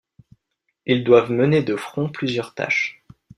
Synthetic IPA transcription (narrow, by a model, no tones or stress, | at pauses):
ild̪wavməned̪əfχɔ̃plyzjœʁt̪a̰ʃ